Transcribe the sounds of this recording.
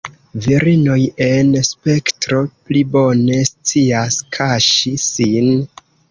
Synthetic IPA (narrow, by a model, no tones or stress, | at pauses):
viɾino̞je̞nspe̞ktɾo̞plibo̞ne̞st͡siaskʰaʃisin